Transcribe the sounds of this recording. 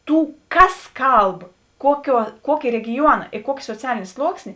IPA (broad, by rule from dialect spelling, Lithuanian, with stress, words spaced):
ˈtuː ˈkɐs ˈkɐlˠp ˈkuɔˌkʲuɔ ˈkuɔkʲeː rʲɛɡʲɪˈjuɔnɐ ɪ ˈkuɔkʲeː soːˈt͡sʲæːlʲeːnʲeː ˈslˠuɔksʲnʲeː